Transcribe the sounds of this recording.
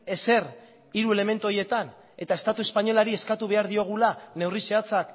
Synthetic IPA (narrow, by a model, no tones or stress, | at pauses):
e̞se̞r | iɾue̞le̞me̞nt̪uoje̞t̪an | e̞t̪ae̞st̪at̪ue̞spaɲo̞laɾie̞skat̪uβe̞aɾðio̞ɣ̞ulane̞wrise̞at͡sak